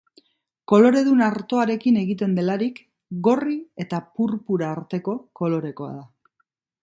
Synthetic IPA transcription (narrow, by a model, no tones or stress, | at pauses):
ko̞lo̞ɾe̞ðunaɾt̪o̞aɾe̞kine̞ɣit̪e̞nd̪e̞laɾik | ɡo̞rie̞t̪apuɾpuɾaːɾt̪e̞ko̞ko̞lo̞ɾe̞ko̞a̰ða